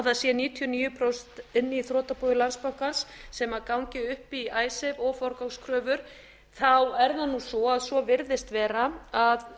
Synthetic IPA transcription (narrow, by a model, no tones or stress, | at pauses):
ðasjɛniːt̪ʰiɔniːjʏpʰɾɔwst̪ɪnːɪiθɾɔːt̪apujɪlanspawkansːɛmakawɲcɪʏhpiaːjsɪvɔːfɔɾkawkskʰɾœːvʏɾ̥ | θawɛɾðanːusɔaðsvɔvɪɾðɪst̪vɛːɾaað